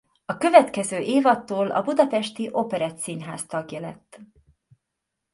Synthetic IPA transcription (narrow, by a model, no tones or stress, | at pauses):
ɒkø̞vɛt̪kɛzøːʔeːvɒt̪ːoːlʔɒ̰bud̪ɒpɛʃt̪iʔo̞pɛɾɛt̪sinɦa̰ːst̪ɒɡjɒlɛ̰t̪ː